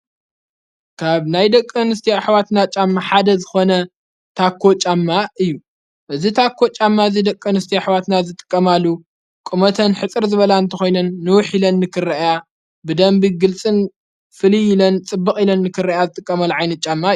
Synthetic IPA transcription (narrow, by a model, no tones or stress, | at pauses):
kʰaβnajd̪ɐkʼːɨnɨst̪ʰiaħwat̪nat͡ʃʼamːaħad̪ɐzɨxo̞nɐ | t̪ʰakʰːo̞t͡ʃʼamːaʔɨjːu | ʔɨzit̪ʰakʰːo̞t͡ʃʼamːaɨzid̪ɐkʼːɨnɨst̪ʰiaħwat̪nazɨt̪ʼɨ̥kʼːɐmalːu | kʼɨmɐt̪ʰɐnħɨt͡sʼɨɾzɨβɐlaɨnt̪ʰɐxo̞jnɐnːɨwʊħilɐnːɨkʰɨrːɐʔja | bɨd̪ɐmbiɡɨlt͡sʼɨn | fɨlijɪlɐnt͡sʼɨbːɨkʼilɐnːɨkʰɨrːɐʔjazɨt̪ʼɨkʼːɐmɐlːʕajnɐt̪̚t͡ʃʼːamːa